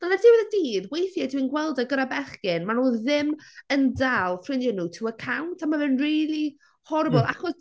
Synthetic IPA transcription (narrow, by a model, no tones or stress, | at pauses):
ð̥əlɛd̥ɪwɪðədiːðwejθjadwinɡwɛlˠdaɡəɾabɛχɡɪnmanuːðɪməndalˠfrɪnjənutʰəəkʰawntʰamavɨnriːlˠi | hɔrbɔlˠa̰χɔs